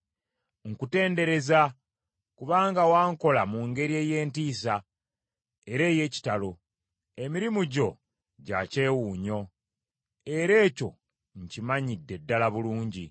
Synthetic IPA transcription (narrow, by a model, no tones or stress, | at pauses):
ŋ̩kute̞ːnde̞ɾe̞za | kuβaːŋɡawaːŋko̞lamuŋɡe̞ɾie̞ːje̞ːntiːsa | e̞ɾe̞ːje̞ːci̥talo̞ | emiɾimuɟo̞ | ɟace̞ːwuːɲo̞ | e̞ɾe̞ːco̞ | ɲcimaɲidːe̞dːalaβuluːɲɟi